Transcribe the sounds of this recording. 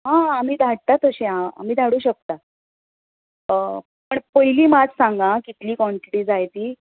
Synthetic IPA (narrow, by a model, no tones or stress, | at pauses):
ɦãam̤iːd̪ʱaɽ̚t̪at̪əɕẽaa̰m̤iːd̪ʱaɽuːɕək̚t̪a | pəɳpəɦiliːmad͡zsãŋɡãkit̪liːkɔɳʈiʈiːd͡zajt̪iː